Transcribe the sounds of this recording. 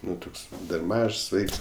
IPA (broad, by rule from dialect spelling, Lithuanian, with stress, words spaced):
ˈnʊ ˈtʊks dɐr ˈmɐʃs ˈʋɐɪks